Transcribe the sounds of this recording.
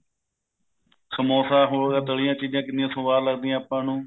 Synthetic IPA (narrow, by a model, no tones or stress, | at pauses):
kʰəmoːsaːɦoːɽɡaːt̪əɭijãːt͡ʃiːd͡ʒãːkɪnɪjãːsʊʋaːlləɡ̚d̪iːãːaːpãːnũː